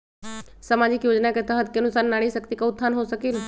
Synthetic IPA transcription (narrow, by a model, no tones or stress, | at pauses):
səmad͡ʒikjod͡ʒnaket̪əɦət̪̚kenʊsanːaɽiʃəkt̪ikaʊt̪ʰːanɦosəkel